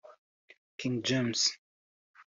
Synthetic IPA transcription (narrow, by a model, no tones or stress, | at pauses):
kʰɪ̃ŋd͡ʒɛms